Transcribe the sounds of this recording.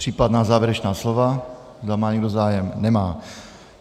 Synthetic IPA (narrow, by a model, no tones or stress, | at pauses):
r̥iːpad̪naːzaːʋɛɾɛt͡ʃnaːslɔʋa | zd̪amaːɲɛɡd̪ozaːjɛmnɛmaː